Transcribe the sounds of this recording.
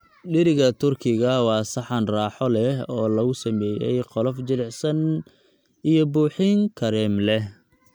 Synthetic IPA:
ɗɪɾɪɣɐt̪ʰʊrkʰɪɣɐwɑːsɑħɑnrɑːħɔlɛɦɔːlɐɣʊsɐmɛːjɛ̰jqɔlɔfd͡ʒɪlɛħsɐn | ijɔbuːħiŋkʰɐɾɛːmlɛh

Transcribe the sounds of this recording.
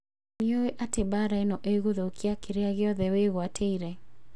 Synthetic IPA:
nioeʔatebaɾaenɔʔeɣoðokʰiakeɾeaɣɪɔðɛweɣwatʰeiɾɛ

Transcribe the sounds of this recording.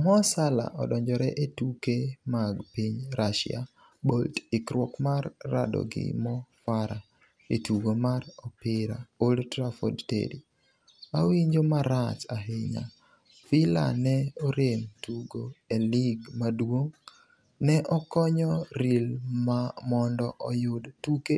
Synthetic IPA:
mɔsala̰ʔɔdɔɲd͡ʒɔɾɛʔetukemaɡpiɲɾaʃɪ̰a̰ | boltɪkɾwɔkmarːa̰dɔ̰ɡɪ̰mɔfaɾa | etuɡomarɔpɪɾa̰oltɾafɔdtḛɾi | awiɲd͡ʒomaɾat͡ʃaɦɪɲa̰ | fɪla̰nɛɔɾemtuɡoeliɡmadwoŋ | nɛʔɔkɔɲɔɾilmamɔndɔʔɔjʊdtuke

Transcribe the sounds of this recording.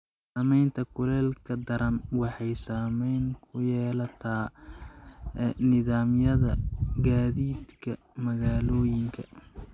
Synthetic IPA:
saːmɛjnt̪ʰɐkʰʊlɛːlkʰɐd̪ɐɾɐnwɑħɑjsaːmɛjnkʰʊjɛːlɐt̪ʰaː | nɪðaːmjɐðɐɡaːðiːd̪kʰɐ | mɐɣaːlɔːjɪŋkʰɐ

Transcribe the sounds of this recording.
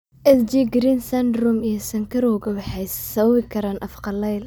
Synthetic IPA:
ʔɛsd͡ʒiːɡɾinsɐnd̪ɾʊmijɞsɐŋkʰɐɾɔːɡɐwɑħɛjsɐβɐβɪkʰɐɾaːnʔɐfqɑlɛjl

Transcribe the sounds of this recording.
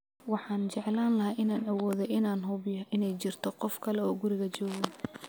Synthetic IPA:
wɑħɑːnt͡ʃɛʕlaːnlɐɦaːʔɪnaːnɐwɔːðɛjɪnaːnɦʊβɪjɐʔɪnɛjt͡ʃɪrt̪ʰɔqɔfkʰɐlɛɔːɡʊɾɪɣɐt͡ʃɔːɣɐ

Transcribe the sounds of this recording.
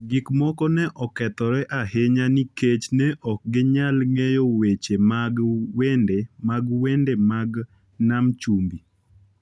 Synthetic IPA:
ɡɪkmɔkɔnɛʔɔkɛt̪ɔɾɛʔaheɲaniket͡ʃnɛʔɔk̚ɡɪɲalŋejowet͡ʃemaɡwendemaɡwendemaɡ | namt͡ʃumbi

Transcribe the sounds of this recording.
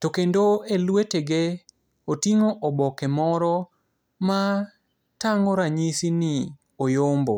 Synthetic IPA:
tokendoelweteɡe | otiŋoʔɔbɔkɛmɔɾɔ | ma | taŋoɾaɲisinɪ | ojombo

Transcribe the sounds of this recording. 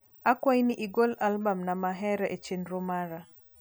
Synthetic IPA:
ʔakwajniʔiɡɔlalbamnamaɦɛɾɛʔɛt͡ʃɛnɾɔmaɾa

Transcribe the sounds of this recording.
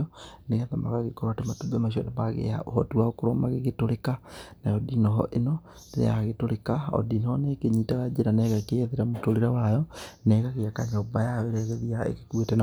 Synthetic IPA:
ɔneɣaðama̰ɣaɣekɔɾoatematubɛmaʃ̬iɔnamaɣḛa̰ohɔ̰tuwaokoɾɔmaɣeɣetoɾekanajɔdinɔɦɔ̰ʔenɔ | neɾḛjaɣetoɾekaɔ̰dinɔnekeɲitaɣad͡ʒeɾanɛɣakeɛðeɾamotoɾeɾawajɔnɛɣaɣeakaɲaobajaɔeɾɛɣɛðiaḛɣekwetɛna

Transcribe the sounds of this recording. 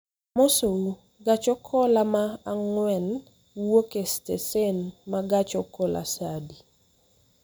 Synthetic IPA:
mosou | ɡat͡ʃɔkʰɔlamaaŋwɛn | wokestesenmaɡat͡ʃɔkɔlʔa̰sadi

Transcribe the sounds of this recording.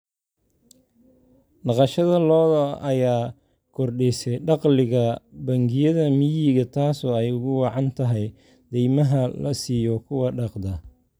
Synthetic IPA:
ɖɑqɑʃɐðɐlɔːðɐɐjaː | kʰɔrɖɛsɛjɖɑqlɪɣɐbɐŋɡɪjɐðɐmɪjiːɣɐt̪ʰaːsɔːɛjʊɣʊwɑʕɑnt̪ʰɐɦɛj | d̪̥ɛjmɐɦɐlɐsiːjɔkʰʊwɑɖɑqd̪ɐ

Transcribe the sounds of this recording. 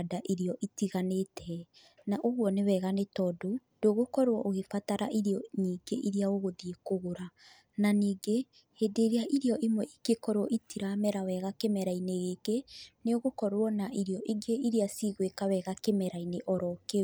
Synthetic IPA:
daʔiɾiɔʔitiɣanetʰɛ | naʔoɣwɔnewɛɣanetɔdo | d̥oɣokɔɾwɔʔoɣefataɾa̰ʔiɾeɔɲiːɡeʔiɾeaoɣoðiekoɣoɾa | naniːɡe | heːdeɾeaʔiɾeɔʔimwɛʔikekɔɾwɔʔitiɾamɛɾawɛɣakemɛɾaineɣekeneoɣokɔɾwɔnaʔiɾeɔʔiɡeiɾiasiɣwekawɛɣakemɛɾaineʔɔɾɔke

